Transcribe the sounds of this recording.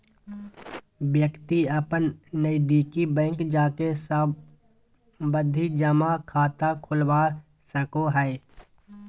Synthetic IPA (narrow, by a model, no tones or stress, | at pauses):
ʋjəkt̪iəpənːəid̪iːkibɛ̃ːŋkd͡ʒaːkesə | bəd̪ʱid͡ʒəmakʰaːt̪akʰʊlwa | səkoɦɛe